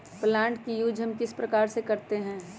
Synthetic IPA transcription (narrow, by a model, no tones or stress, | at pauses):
plãːɳʈkijuːd͡ʒʱɐmkɪspɾɐkaːɾsekɐɾt̪eɦɛ̃ː